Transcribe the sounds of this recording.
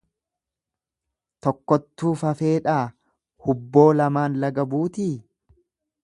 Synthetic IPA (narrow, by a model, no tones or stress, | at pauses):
t̪ɔkːɔt̪ːuːfɐfe̞ːᶑaː | hʊbːo̞ːlɐmaːnlɐɡɐbuːt̪iː